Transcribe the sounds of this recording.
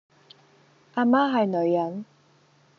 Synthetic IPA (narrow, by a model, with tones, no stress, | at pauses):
ʔaː˧maː˥ɦɐ˨jnɵ˨˧ɥjɐ˨˥n